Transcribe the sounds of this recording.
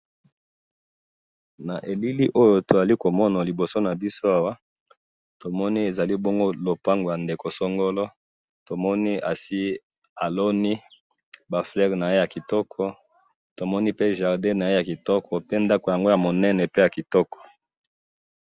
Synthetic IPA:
na˨ʔe˨li˦li˦ʔo˦jo˨to˨za˨li˦ko˨mɔ˦na˨li˨bo˨so˦na˨bi˦so˦a˦wa˦ | to˨mɔ˦ni˦e˨za˨li˦bɔ˦ŋɡo˦lo˨pa˦ŋɡo˨ja˨nde˨ko˨sɔ˦ŋɡo˦lɔ˦ | to˨mɔ˦ni˦a˨si˦ | a˨lo˦ni˦ | ba˨flɛ˦ʁna˨je˦ja˨ki˨tɔ˦kʰɔ˦ | to˨mɔ˦ni˦pe˦ʒa˨ʁde˦na˨je˦ja˨ki˨tɔ˦kʰɔ˨pe˦nda˦ko˨ja˨ŋɡo˦ja˨mo˨nɛ˦nɛ˨pe˦ja˨ki˨tɔ˦kɔ̥˨

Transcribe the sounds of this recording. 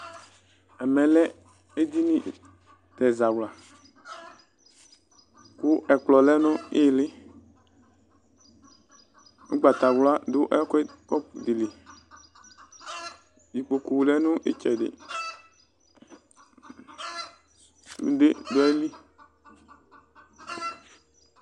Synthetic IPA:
ɛ˨mɛ̃˨lɛ˦ | e˦d̪i˦nĩ˦ | t̪ɛ˨za˨wla˨ | ku˦ɛ˨k͡plɔ˨lɛ˦nʊ̃˦e˦˨lɪ˦ | nṵ˦ɡ͡ba˨t̪a˨wla˦dʊ˦ʔɛ˦kɛ˦kɔ˦˨di˨li˨ | ji˨k͡po˨ku˨lɛ˦nʊ̃˦ʔḛ˦t͡ʃɛ˨dɪ̰˨˦ | de˦do˦ɛ˦li˦

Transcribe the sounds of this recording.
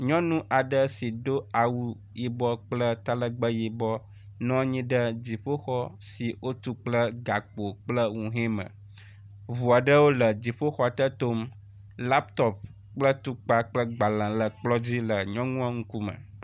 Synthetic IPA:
ɲɔ̃˦nũ˦ʔa˨ɖə˦si˨ɖo˦a˨wu˦ | ji˨bɔ˦k͡plə˦t̪a˦lə˦ɡ͡bə˦ji˨bɔ˦ | nɔ̃˦ɲĩ˦ɖə˦d͡ʑi˨ɸo˦xɔ˦si˨wʔo˦t̪u˦k͡plə˦ɡa˨k͡po˨k͡plə˦ŋũ˨ɦɛ̃˦mə̰̃˨ | vu˨a˨ɖə˦wo˦lə˨d͡ʑi˨ɸo˦xɔ˦a˨t̪ə˦t̪o˦m | la˦pt̪ɔ˦p̚ | k͡plə˦t̪u˦k͡pa˦k͡plə˦ɡ͡ba˨lã˨lə˨k͡plɔ˦d͡ʑi˦lə˨ɲɔ̃˦ŋũ˦a˦ŋũ˦ku˦mə̰̃˨

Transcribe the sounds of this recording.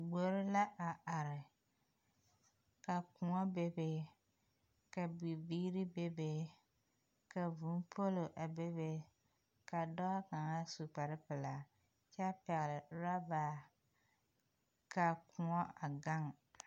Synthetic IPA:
ɡ͡bo˦ɾɪ˦la˦ʔa˨ʔa˨ɾɪ˨ | ka˨kʊ˨ŋɔ˦be˦be˦ | ka˨bi˨biː˦ɾi˦be˦be˦ | ka˨vu˨˦n˦pʰo˦lo˨ʔa˨be˦be˦ | ka˨dɔ˦a˦ka˨ŋa˦su˨k͡pa˨ɾɪ˦pɪ˨la˨ | t͡ʃa˦pɛ˨ɣɪ˨lɪ˨ɾa˦baː˨˦˨ | ka˨kʊ˨ŋɔ˦a˨ɡa˦ŋ

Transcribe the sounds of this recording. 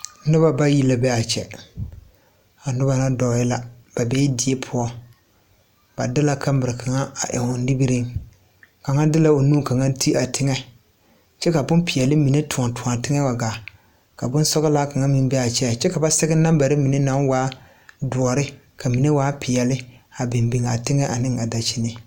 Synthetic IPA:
nʊ˦ba˦ba˦ji˦la˨bɛ˦a˨t͡ʃɛ̰˨ | a˨nʊ˦ba˦na˦dɔ˨ɪ˦la˨ | b̥a˨bɛː˦dɪ˨e˦pʰʊ˦ɔ˦ | ba̰˨dɪ˦la˦ka˦mbɪ˨ɾɪ˨kʰa˨ŋa˦a̰˨ʔɛ̰˨ʊ˨˦i˦bi˦ɾɪ˦ŋ | ka˨ŋa˦dɪ˦la˦o˨nuː˦ka˨ŋa˦tʰi˦a˨tɪ˦ŋɛ˦ | t͡ʃɛ˦ka˨bʊ˦npɪ˨jɛ˨lɪ˦mi˨ne˦tu˨ɔ˨tu˨a˨tɪ˦ŋɛ˦wa˨ɡa˨ | ka˨bʊ˦n˦sɔ˦ɣɪ˦la˦ka˨ŋa˦mɪ˦m˦bɛ˦a˨t͡ʃɛ˦˨t͡ʃɛ˦ka˨ba˦sɛ˦ɡɪ˦na˦mba˨ɾɪ˦mi˨ne˦na˨˦ŋwaː˦ | dʊ˨ɔ˨ɾɪ˦ | ka˨mi˨ne˦waː˨˦pʰɪ˨jɛ˨lɪ˦a˨bɪ˨mbi˨ŋ˨a˨tɪ˦ŋɛ˦ʔa˨nɪ˦ŋa˨da˨t͡ʃi˦nɪ˨

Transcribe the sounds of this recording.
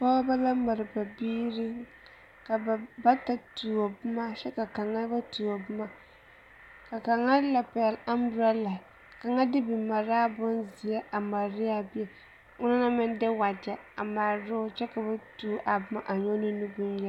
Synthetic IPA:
pɔ˦ba˦la˦ma˨ɾɨ˨ba˨biː˦ɾɪ˦ | ka˨ba˦ta˨tu˨o˨bʊ˦ma˦ʃɛ˦ka˨ka˨ŋa˦ba˦tu˨a˨bʊ˦ma˦ | ka˨ka˨ŋa˦la˨pa˨jɛ˨la˦mbɾa˦la˨ | ka˨ŋa˦dɪ˦bɪ˨ma˨ɾaː˦bʊ˦nzi˨ja˦ʔa˨ma˨ɾɪ˦a˦bi˦ɛ˨ | ʊ˦na˦na˦mɪ˦ndɪ˦wa˨da˨a˨ma˨ɾɾʊ˦t͡ʃɛ˦ka˨ba˦tuː˦ʔa˨bʊ˦ma˦ʔa˨ɲo˦nɪ˦nu˦ɡʊ˦njɛ˦

